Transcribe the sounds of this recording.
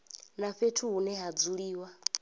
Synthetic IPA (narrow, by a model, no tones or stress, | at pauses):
naɸetʰuɦunɛɦad͡zuɺiːwa